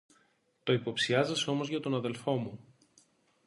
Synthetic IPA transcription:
t̪o̞ipo̞psiɐzɐseo̞mo̞zʝɐt̪o̞nɐðe̞lfo̞mu

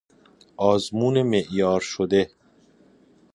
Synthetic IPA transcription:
ɒːzmuːnemeʔjɒːɾʃod̪e

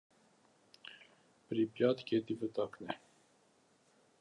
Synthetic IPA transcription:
pəɾipjɑt̪kʰet̪ivət̪ɑknɛ

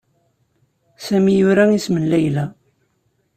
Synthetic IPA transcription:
sæmijʊɾæismənlæjlæ

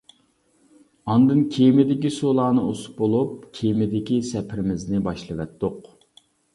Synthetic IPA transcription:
ɑnd̪ɨnkʲʰejmɪd̪ɪkʲisolˠɑːnɨosu̥p̚bolˠup̚kʲʰejmɪd̪ɪkʲisɛpʰɪɾɪmɪznɪbɑʃlˠɨvɛt̪ːoq

